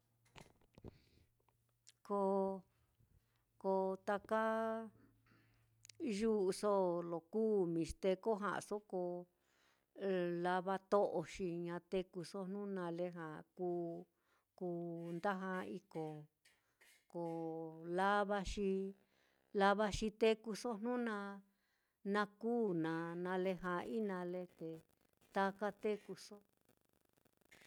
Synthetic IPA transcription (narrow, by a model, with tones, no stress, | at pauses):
ko˧ | ko˧t̪a˧ka˦ | ʒu˦ʔso˦lo˨kuː˦mĩ˨ʂt̪e˧ko˦ɦã̰˧˨ʔso˦ko˧ | la˧βa˦t̪o˦ʔo˧ʃi˧ɲã˧t̪e˧ku˧so˦n̥ũ˦nã˧le˦ɦã˨kuː˦ | kuː˧˦nd̪a˦ɦã˧i˧ko˨ | ko˨la˦βa˧ʃi˧ | la˧βa˧ʃi˧t̪e˦ku˧so˦nnũ˦nã˧ | nã˧kuː˦nã˨nã˧le˧ɦã˨˧i˦nã˧le˧t̪e˨ | t̪a˧ka˦t̪e˦ku˧so˦